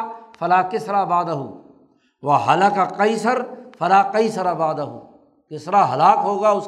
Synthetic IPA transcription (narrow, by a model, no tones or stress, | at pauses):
fɐlaːkɪsɾabaːd̪ɐɦuː | ʋɐɦɐlɐkaqɐjsəɾfɐlaːqɐjsɐɾabaːd̪ɐɦṵː | kɪsɾaɦɐlaːkɦoːɡaʊs